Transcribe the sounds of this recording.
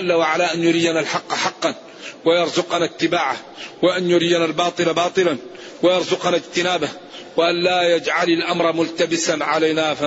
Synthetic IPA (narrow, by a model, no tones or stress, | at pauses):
alːawaʕalaʔanjʊɾijːanalħɑqːħɑqːɑn | wajɑɾˤzʊqɑnat̪ːɪbaːʕa | wɪʔanjʊɾijanalbɑːt̪ˤɨlabɑːt̪ˤɨlan | wajɑɾˤzʊqɑnad͡ʒt̪ɪnaːba | wɪʔanlaːjad͡ʒʕalalʔamɾˤɑmʊlt̪abɪsanʕalajnafa